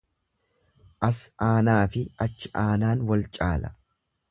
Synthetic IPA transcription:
ʔɐsaːnaːfɪɐt͡ʃːɪʔaːnaːnwɐlt͡ʃʼaːlɐ̰

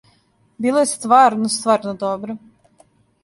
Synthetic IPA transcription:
bilˠɛjst̪vaɾnust̪vaɾnɔd̪ɔbɾu

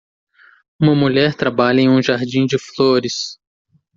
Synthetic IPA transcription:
ũmɐmuʎɛɾt̪ɾabaʎɐẽj̃ũʒaɾd͡ʒĩd͡ʒɪfloɾɪs

